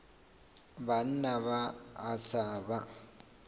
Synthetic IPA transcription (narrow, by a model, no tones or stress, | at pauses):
ban̩naβaːsaba